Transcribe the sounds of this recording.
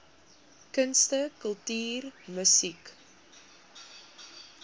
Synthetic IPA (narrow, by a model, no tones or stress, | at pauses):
kənstəkəlˠtyːrməsik